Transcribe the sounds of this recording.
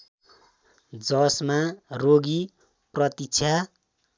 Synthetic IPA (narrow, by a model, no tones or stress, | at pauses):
d͡zʌsmaroɡi | prʌt̪ikt͡sʰa